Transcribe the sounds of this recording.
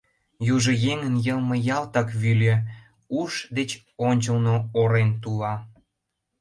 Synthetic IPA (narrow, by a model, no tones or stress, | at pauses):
juʒojeŋənjəlmɤ̆jɑlt̪ɑkβylʲĕ | uʃd̪et͡ɕ | onʲt͡ɕəlnooɾent̪ulɑ